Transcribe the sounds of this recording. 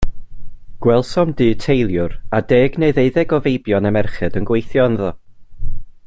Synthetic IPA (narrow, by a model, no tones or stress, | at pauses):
ɡ̥wɛlˠsɔmdɨːtʰejlˠjʊɾadeːɡneɨðeɨðɛɡɔvejbjɔnɛmɛrχɨdənɡwejθjɔnðɔ